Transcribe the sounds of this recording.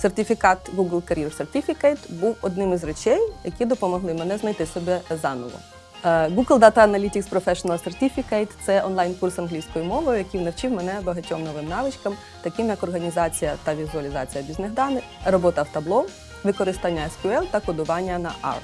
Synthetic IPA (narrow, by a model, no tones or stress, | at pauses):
sert̪ʲifʲikɑt̪ɡuɡlˠkɐɾʲirsert̪ʲifʲikɛjt̪buwɔd̪nɪmɪzret͡ʃɛjjɐkʲid̪ɔpɔmɔɦlˠɪmɛnɛznɐjt̪ɪsɔbɛzɑnɔ̰ʋɔ̰ | ɡuɡlˠd̪ɑt̪ɐɐnɐlʲitʲikspɾɔfɛʃɔnɐlˠsert̪ʲifʲikɛjt̪t̪sɛʔɔnlˠɑjnkursɐnɦlʲijsʲkɔjʊmɔʋɔjʊjɐkʲiwnɐwt͡ʃiwmɛnɛbɐɦɐtʲɔmnɔʋɪmnɑʋɪt͡ʃkɐm | t̪ɐkɪmjɐkɔrɦɐnʲizɑt͡sʲijɐt̪ɐʋʲizʊɐlʲɪzɑ̰t͡sʲijɐbʲizneɦd̪ɑnɪ | rɔbɔt̪ɐwt̪ɐblˠɔ | ʋɪkɔɾɪst̪ɑnʲːɐɛskʲʊɛlˠt̪ɐkɔd̪ʊʋɑnʲːɐnɐ̰ʔɑ̰r